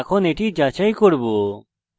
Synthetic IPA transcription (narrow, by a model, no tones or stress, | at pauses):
kʰɔneʈid͡ʒat͡ʃaikɔɽbu